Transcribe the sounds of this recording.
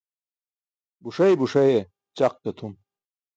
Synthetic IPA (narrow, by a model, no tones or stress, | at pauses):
buʂɐjbuʂɐje | t͡ɕaq̚t̪ɐt̪ʰum